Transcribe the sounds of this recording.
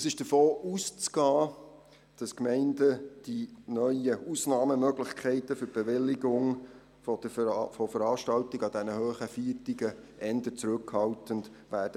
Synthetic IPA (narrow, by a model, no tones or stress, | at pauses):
əsɪʃd̥əfoːʔuːst͡sɡ̥ɑː | d̥ɑskmɛɪndəd̥inœʏəʔusnɑːməmœɡlɪχkʰɛɪtəfʏɾb̥ɛʋɪlːɪɡʊŋ | fɔd̥əfɔfəɾɑːʃtɑltiɡɑd̥̪ɛnəhøːχəfiːtiɡə | ʔɛndət͡sɾɵkhɑltəndvæːɾd̥ə